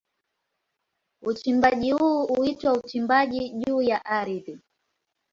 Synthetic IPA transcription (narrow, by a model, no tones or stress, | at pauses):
ut͡ʃimbaʄihuːuitwaut͡ʃimbaʄiʄuːjaʔaɾiði